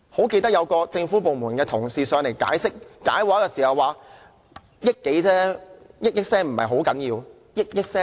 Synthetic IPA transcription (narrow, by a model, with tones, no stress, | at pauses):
ho˨˥wke˧jt̪ɐ˥k̚jɐ˨˧wkɔː˧t͡sɪ˧ŋfuː˨˥p̬o˨˧wmuː˨˩nkɛː˧t̪ʰʊ˨˩ŋsiː˨sœː˨˧ŋle˨˩jka̰ː˨˥jsɪ˥k̚ːa̰ː˨˥jwaː˨˥kɛː˧siː˨˩hɐ˨wːaː˨˧ | jɪ˥kːe˨˥jt͡sɛː˥jɪ˥k̚jɪ˥k̚sɛː˥ŋm̩˨˩mɐ˨jɦo˨˥wkɐ˨˥njiː˧w | jɪ˥k̚jɪ˥k̚sɛː˥